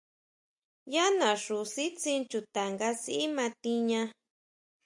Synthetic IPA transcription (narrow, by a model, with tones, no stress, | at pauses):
ja˦nã˨ʂu˨si˦t͡sĩ˧nt͡ʃu˧t̪a˨ŋɡa˧si˦ʔi˦mã˧t̪i˧ɲã˧